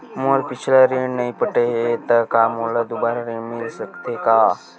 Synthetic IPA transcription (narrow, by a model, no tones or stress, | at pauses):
moːlpɪt͡ʃʰlaɾiɳnɐɦĩpəʈeɦet̪ɐkamolad̪ubaːɾaɾĩɳmɪlsəkt̪ekaː